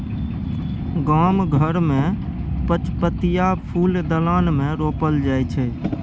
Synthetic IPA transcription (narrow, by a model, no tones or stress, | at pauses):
ɡaːmɡʱəɾmẽpət͡ʃpət̪ijapʰuːld̪əlaːnmẽɾoːpəld͡ʒaːjt͡ʃʰɛ